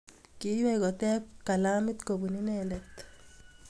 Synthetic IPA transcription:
kɪ˦jwɛkɔ˨tɛ˦kːa˨la˦mɪ˦t̪ko˨bu˨ni˦nɛlɛt̪

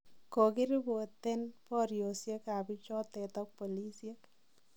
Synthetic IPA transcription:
ko˨ki˦ɾi˦bo˨te˦npɔ˦ɾjo˨sje˦ka˨pi˦t͡ʃɔ˦tɛ˨tɔ˦k̚po˨li˦sje˦k

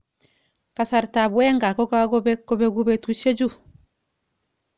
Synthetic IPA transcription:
ka˨sa˨ɾta˨bwɛ˦ŋɡa˨kɔ˦ka˦ɡɔ˦be˦kɔ˦be˦ɡu˦be˦tu˦ʃe˦d͡ʒu˦˨

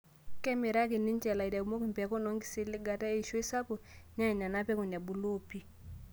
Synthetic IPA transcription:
kɛ˦me˨ɾa˦ki˨ni˦nt͡ʃɛ˨la˨i˨da˨u˨mo˦ki˨m˨pɛ˨˦ko˦nɔ˦ŋɡi˦sɪ˦lɪ˦ɡa˨ta˦e˦i˨ʃo˦i˦sa˦po˨ɲa˦i˨ɲa˨na˦pɛ˦ko˨ɲa˨bu˨lo˦pi˦

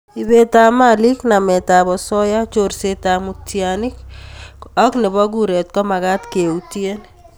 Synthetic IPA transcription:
i˨be˨ta˨mali˦kna˨mɛ˨ta˨bɔ˨sɔ˦ja˦t͡ʃorseta˨mu˨tjanɪ˦k | ɔ˦knɪ˨bɔ˦ɡ̬uɾe˨t̚kɔ˦ma˨ɣa˦tkeutie˦n

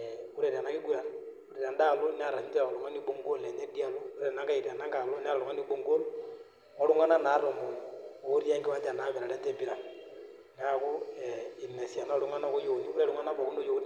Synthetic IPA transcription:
u˦ɾe˨ɾi˨a˨na˦ki˦ku˦ɾa˨nu˦ɾe˨ɾa˨nda˦˨lu˦n˦a˨ɾa˨ɲi˦ta˦˨ɔ˨lu˨ŋa˦ni˦bo˦ŋɡo˦le˨ɲe˦di˦a˨lo˦u˦e˦ɾa˨na˨˦ŋɡa˦i˨ɾa˨na˦ŋɡa˨lo˦ni˦a˦ɾa˨lu˨ŋa˦ni˦bo˦ŋɡo˦l | ɔ˦lu˦ŋa˦na˦na˨˦ɾo˨mo˨oː˦ɾja˦ŋɡi˦wa˦ta˨na˦βe˨ɾa˨ɾa˦te˦bi˦ɾa˨n | ŋa˦ku˦ɛi˨ne˨sja˨nɔ˦˨lu˦ŋa˦nɔ˦ko˦jo˨ni˦u˦ɾe˦lu˦ŋa˦na˦βɔ˨ku˦ndo˦jo˨˦ni˦

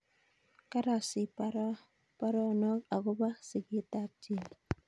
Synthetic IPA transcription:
ka˦ɾa˨sɪ˨pa˦ɾ | pa˦ɾɔ˦nɔ˦ka˨kʊ˦ba˦sɪ˨kɪ˦ta˦k̚d͡ʒi˦˨

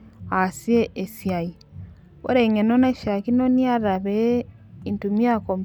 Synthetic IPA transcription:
asie˦ʔe˨sja˨i˨ | βo̰˦ɾe˨ŋe˨no˦na˦ʃa˨ki˦no˦nia˦ɾa˨βe | intumi˦a˦kom

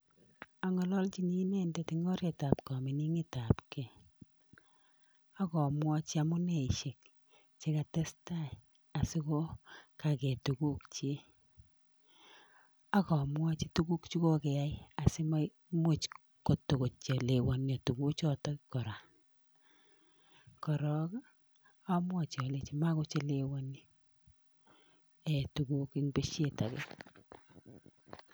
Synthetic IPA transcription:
a˦ŋɔ˨lɔ˦lt͡ʃi˦ni˦ne˦nde˦ti˨ŋɔ˦ɾe˨ta˨pkɔ˨mi˨ni˦ŋɪ˦ta˨pkɛ˨ | a˦kɔ˨mwɔ˦t͡ʃa˨mʊ˦ne˨ʃe˨k̚ | t͡ʃe˦ka˨tɛ˦sta˦j | a˨si˦ko˦ka˨kɛ˨tu˨ku˦kt͡ʃe˦ | a˦kɔ˨mwɔ˦t͡ʃi˦tu˦ku˦kt͡ʃu˦ko˦kɛ˨ja˦ja˨si˦ma˦ | mwo˦t͡ʃ | ko˨tːo˨ko˨t͡ʃɔ˨le˨wɔ˨njɔ˨tu˨ku˦t͡ʃɔ˦tɔ˦kɔ˨ɾa˨ | kɔ˨ɾɔ˦k | a˦mwɔ˦t͡ʃɔ˨le˨t͡ʃi˦ma˦ko˦t͡ʃe˦lewɔ˦ni˦ | ɛ˨tu˨ku˦ki˦ŋbe˦ʃje˦˨ta̰˨kɛ̰˦˨

